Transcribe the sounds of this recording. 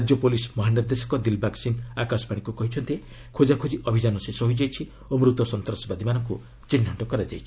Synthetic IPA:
d͡ʒjopolismɔɦaniɾd̪esɔ̥kɔd̪ilbʱaksinakasɔ̥paɽikukɔɦit͡ʃʰɔnt̪ie | kʰod͡ʒakʰud͡ʒiʔɔbʱid͡ʒanɔsesɔɦojd͡ʒajt͡ʃʰi | omɾut̪ɔsɔnt̪ɾɔsɔbad̪ʱimanɔŋku | t͡ʃinːɔɳʈɔkɔɾad͡ʒajt͡ʃʰi̥

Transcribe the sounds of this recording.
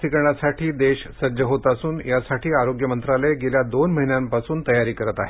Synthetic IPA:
t̪ʰikɳasaʈʰiːd̪eɕsəɾd͡ʑəɦot̪asuːnjasaʈʰiːaɾoɡjəmənt̪ɾaləjɡeljad̪onməɦinjãmpasuːnt̪əjaɾiːkəɾət̪aɦe

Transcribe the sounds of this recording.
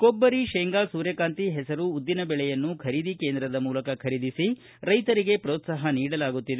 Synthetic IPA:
kobːɐɾiʃɛːŋɡaːsuːɾjɐkaːnt̪iɦɛsɐɾuːd̪ːinɐbɛɭɛjɐnːukʰɐɾid̪ike̞ːnd̪ɾɐd̪ɐmuːlɐkɐkʰɐɾid̪isi | ɾɐjt̪ɐɾiɡe̞pɾoːt̪sɐɦɐniːɽɐlaːɡut̪ːid̪e

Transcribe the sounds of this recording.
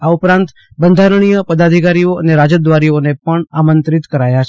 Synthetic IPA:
aupɾãnt̪ | bənd̪ʱaɾəɳ̃ijəpəd̪ad̪ʱikaɾijoəneɾad͡ʒəd̪ʋaɾionepəɳamənt̪ɾit̪kəɾajat͡ʃʰ

